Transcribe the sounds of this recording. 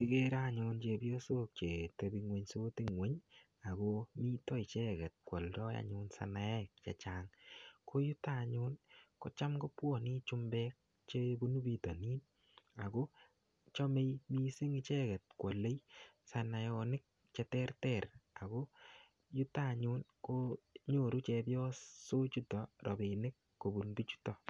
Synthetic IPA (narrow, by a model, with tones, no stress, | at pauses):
pi˦ke˦ɾa˦ɲu˧nt͡ʃe˧pjo˦so˦k̚t͡ʃe˨te˨˧bi˧ŋwe˦ɲso˦ti˦ŋwe˨˦ɲ | a˨komi˦tɔ˦i˨t͡ʃɛ˦kɛ˨t̚kwɔ˨ldɔ˦ja̰˨ɲʊ˧nsa̰˨na˨ɛ˦k̚t͡ʃɛ̰˨t͡ʃaːŋko˦ju˦ta˦˨ɲu˦nkɔ˦t͡ʃa˦mɡo˦pwɔ˦˨ni˦t͡ʃu˦mbɛ˦k̚ | t͡ʃe˦bo˦nu˦bi˧to˨ni˦n | a˨ko˦ | t͡ʃɔ˦me˦jmi˦si˦ŋɪ˦t͡ʃɛ˦ɡɛ˨t̚kwo˨lːe˦jsa˨na˨jɔ˧nɪ˦k̚ | t͡ʃɛ˧tɛ˦rtɛ˨ɾa˨ko˦ | ju˦ta˦˨ɲu˦nko˦ɲo˨ɾu˦t͡ʃɛ˧bjɔ˦so˦t͡ʃu˦tɔ˨ɾɔ˨be˨nɪ˦kːo˨bu˨nbi˦t͡ʃu̥˦tɔ˨